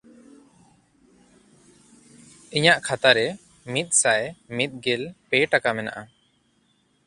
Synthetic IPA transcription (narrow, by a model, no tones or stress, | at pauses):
iɲaʔkʰat̪aɾɛ | mit̪̚ˀsajmit̪̚ɡɛlpɛʈakamɛna̰ʔa